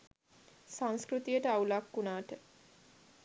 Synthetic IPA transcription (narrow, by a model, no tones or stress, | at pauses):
sãŋskɾut̪ijəʈəawlakːunaːʈə